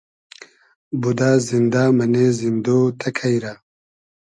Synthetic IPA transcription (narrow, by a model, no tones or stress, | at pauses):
bud̪aːzind̪aːmɐnezind̪oːt̪ʰɐkʰɐjɾaː